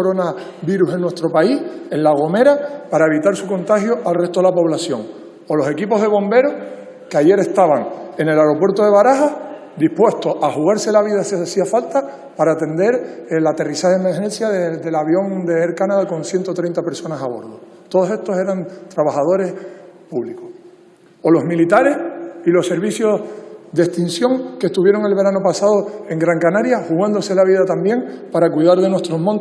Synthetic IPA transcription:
oɾona | βiɾuse̞nːwe̞ht̪ɾo̞paihe̞nlaɣ̞o̞meɾapaɾae̞βit̪aɾsuko̞nt̪axjo̞ʔalre̞ht̪o̞ðelapo̞βlasjo̞ŋ | olo̞se̞kipo̞ɦð̞e̞βo̞mbe̞ɾoh | keaʝe̞ɾe̞ht̪aβaŋe̞ne̞laɾo̞pwe̞ɾt̪o̞ð̞e̞βaɾaɦah | d̪ihpwe̞ht̪oʔaxuɣaɾse̞laβiðasiasiafalt̪a | paɾaːt̪e̞nd̪e̞ɾlat̪e̞risaheemeɾɦẽ̞nsjaðed̪e̞laβjo̞ŋd̪e̞eɾkanaðako̞nsje̞nt̪ot̪ɾe̞jnt̪ape̞ɾso̞nasaβ̞o̞̰ɾðo | t̪oð̞ose̞ht̪o̞se̞ɾant̪ɾaβahað̞o̞ɾe̞hpuβlikoh | olo̞ɦmilit̪aɾe̞silo̞se̞ɾβisjo̞sd̪e̞ht̪insjõ̞ŋke̞ht̪uβje̞ɾo̞ŋe̞lβe̞ɾanopasað̞o̞e̞ŋɡɾaŋkanaɾjahuɣand̪o̞se̞laβiðat̪ambje̞ŋpaɾakuiðaɾðe̞nwet̪ɾo̞ɦmõ̞nt̪

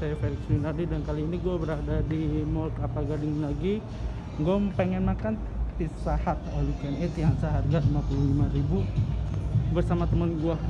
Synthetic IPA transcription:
sajafeɾɪksinardidankaliːniɡuabəɾadadimɔlk̪apaɡadɪŋlaɡi | ŋɡompɛŋɛnmakan | t̪isahat̪̚alukɛnɛt̪iansaɦarɡalimapululimaribu | bərsamat̪əmənɡua

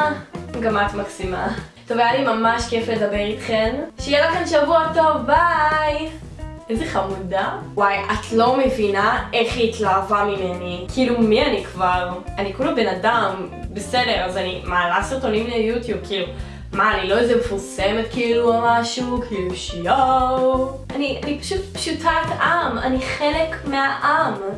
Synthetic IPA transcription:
ɡamat̪maksima | t̪ovajalimamaʃke̞filed̪abeʁit̪χe̞mʃejelaχenʃavuato̞vbaj | ezeχamuda | wajʔatlo̞me̞vinae̞χiːtlaːvamime̞nikʰiilumianikvaʁanikulobe̞nadambesede̞ʁazanimaːlasiʁt̪onimlejutjub̚kʰiːlu | maːnilo̞ezemefuʁsemetkiiluamaʃukʰiluʃjow | anianipḁʃutpʃutʰatʔama̰niχelekmeaʔam

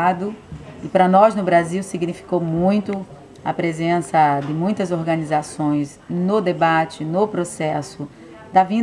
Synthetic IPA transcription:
d̪ʊɪpɾɐnɔznʊbɾaziwsiɡnifi̥kowmũj̃t̪ʊ | ɐpɾezẽsɐd̪ɪmũj̃t̪ɐzoɾɡɐ̃nizasõj̃z | nʊd̪ebat͡ʃɪnʊpɾosɛsʊ | d̪ɐvĩ

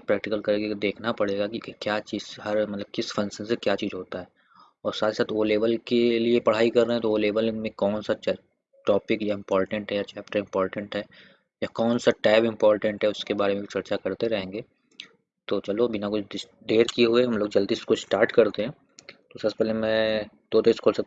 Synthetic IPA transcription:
pɾɛːk̚ʈɪkəlkɐɾɡed̪eːkʰnapɐɽ̤eːɡakikjaːt͡ʃiːzɦɐɾmɐt̪ləb̚kɪsfɐ̃nsənsekjaːt͡ʃiːzɦoːt̪aɦɛː | ɔːɾsaːt̪ʰisaːt̪ʰoːleːʋəlkeliepɐɽ̤aːikɐɾːɛɦɛ̃t̪ooːleːʋəlmẽkɔːnsat͡ʃ | ʈɔːpɪkjaɪ̃mpɔːɾʈə̃ɳʈɦɛjat͡ʃɛːpʈəɾɪ̃mpɔːɾʈə̃ɳʈɦɛː | jakɔːnsaʈɛːpɪ̃mpɔːɾʈə̃ɳʈɦɛʊskebaːɾemẽbʱit͡ʃɐɾt͡ʃakɐɾt̪eɾɐɦẽːŋɡeː | t̪oːt͡ʃɐlobɪnakʊt͡ʃʰɪ | ɖeːɾkieɦueɦɐmloːɡd͡ʒɐld̪iːskosʈaːɾʈkɐɾt̪eɦɛ̃ː | t̪osaːspɛːlemɛ̃ | t̪oːd̪eskʰoːlsɐk̚

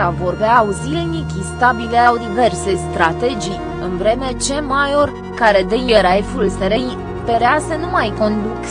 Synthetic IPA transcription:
avo̞rbeauzilnikʲist̪abileawd̪ive̞rse̞st̪ɾat̪e̞d͡ʒij | ɨnvɾe̞me̞t͡ʃe̞majo̞r | kaɾe̞d̪ejeɾajfulseɾej | peɾeasenumajko̞nd̪uk

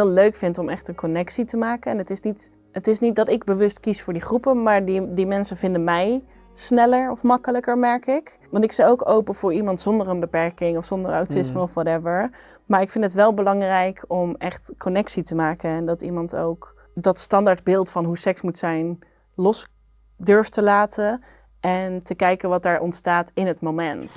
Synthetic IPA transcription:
løɥkfɪntɔmɛχtənkɔnɛksitəmaːkənɛnətɪsnit | ətɪsnit̚dɑtɪɡ̚bəʋɵstkisfʊːɹdiχrupəmaːɹddimɛnsəvɪndəmɛj | snɛləɹɔfmɑkələkəɹmɛɹkɪk | ʋɑntɪksawowkowpəv̥ʊːɹimɑntsɔndərənbəpɛɹkɪŋɔfsɔndəɹawtɪsməɔfʋɑtɛvəɹ | maːɹɪkfɪntɦətʋɛlˠbəlɑŋrɛjkɔmɛχtkʰɔnɛksitəmaːkənɛndɑtimɑnto̰wk | dɑtstɑndaːɹd̚bɪːlˠtfɑnɦusɛksmutsɛjn | lɔs | dɵɹftəlaːtʰən | ʔɛntəkɛjkənʋɑt̚aːɹʔɔ̰ntstaːtɪnɦətmomɛnt

